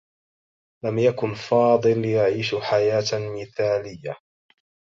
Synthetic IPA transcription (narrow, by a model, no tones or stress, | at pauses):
lamjakʊnfɑːd̪ˤɨljaʕiːʃħajaːt̪mɪθaːlɪjːa